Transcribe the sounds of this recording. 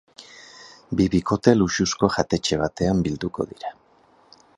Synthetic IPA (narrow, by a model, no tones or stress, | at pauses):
biβiko̞t̪e̞luʃusko̞ʝat̪e̞t͡ʃe̞β̞at̪e̞ambild̪uko̞̰ðiɾa